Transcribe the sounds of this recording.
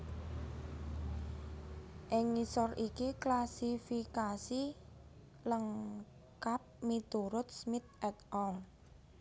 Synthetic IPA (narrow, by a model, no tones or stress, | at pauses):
ʔɪŋːisɔrikiklasifikasi | ləŋ | kap̚mit̪uɾʊt̪̚smɪt̪̚ʔɛt̪ʔɔl